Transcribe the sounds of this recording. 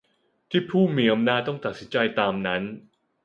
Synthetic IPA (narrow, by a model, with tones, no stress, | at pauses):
t̪ʰiː˥˩pʰuː˥˩miː˧˥ʔa˧mnaː˥˩t̪̚ɔ˥˩ŋt̪a˨˩t̪̚si˦nt͡ɕa˧jt̪aː˧mna˦˥n